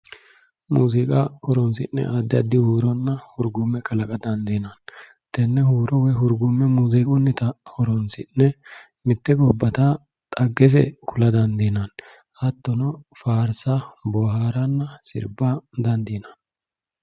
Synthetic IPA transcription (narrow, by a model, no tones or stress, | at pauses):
mṵːzɪkʼaɔɾɔnsɪ̰nːɛ̰ʔad̪ːɪɐd̪ɪhuːɾɔnːɐhʊɾɡʊmːɛkɐlɐkʼɐd̪ɐnd̪inɐn | t̪ɛnːɛhuːɾɔwɛɦʊɾɡʊmːɛmuːzikʼɔnːɪt̪ɐɔɾɔnsɪnːɛ | mɪt̪ːɛɡɔbːɐt̪a | t̪ʼɐɡːɛs̬ɛ̰kʰʊlɐd̪ɐnd̪enɐn | ɐt̪ːɔnɔfaːɾsabɔhaːɾɐnːɐsɪ̰ɾbad̪ɐnd̪inɐn